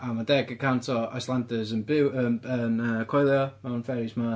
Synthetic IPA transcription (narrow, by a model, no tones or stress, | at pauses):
amadɛɡəkʰantʰɔa̰jslˠandəzənbɪwəənəkʰɔjlˠjɔmanfɛɾɪsma